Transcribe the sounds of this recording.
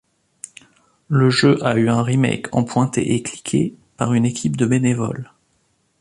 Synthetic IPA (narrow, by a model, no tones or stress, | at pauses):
ləʒøʔayɛ̃ʁimɛ̰jkʰɑ̰̃pwɛ̃t̪ḛʔekli̥kʲʰḛpaʁynekʲip̚d̪əbenevɔ̰l